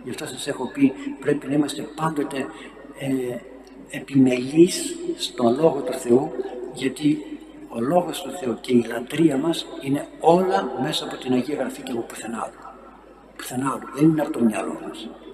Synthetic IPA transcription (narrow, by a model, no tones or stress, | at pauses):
ʝɐft̪o̞sɐse̞xo̞pipɾe̞pinɐimɐst̪e̞pɐnd̪o̞t̪e̞ | pime̞lisːt̪o̞lo̞ɣo̞t̪uθe̞uʝɐt̪i | o̞lo̞ɣo̞st̪uθe̞uce̞ilɐnd̪ɾiɐmɐsine̞o̞lɐme̞sɐːpo̞t̪inɐʝiɐɣɾɐficɐpopu̥θenɐ̰t̪u | pu̥θe̞nɐluðe̞nineɐpot̪omɲɐlo̞̰mɐs